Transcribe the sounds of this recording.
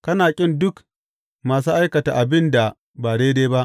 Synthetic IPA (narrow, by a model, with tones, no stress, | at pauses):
kɐ˦naː˨kʲʼɪ˦ndʊ˦k | maː˨s̬uː˦ʔa˦jkɐ˨ta̰˨ʔa˨bɪ˦nda˨ | baː˨deː˦deː˦ba˦ʔ